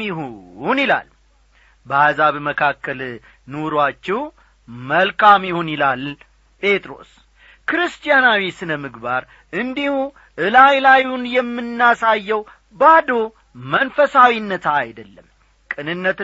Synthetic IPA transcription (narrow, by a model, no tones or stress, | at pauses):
ɪɦnila̰l | bəhazaβməkʰakːəl | noɾwat͡ʃːɛw | məlkʰamjɪhonilal | pʼe̞t̪ʼɾo̞̰s | kɾɨst̪ʼijanawisɨnəmɨɡbaɾ | ɨnd̪ihu | ʔɨlajlajunjɛmːɨnːasajːɛw | bad̪o̞ | mənfəsawinːət̪ʰaːjd̪əlːəm | kʼɨnɨnːət̪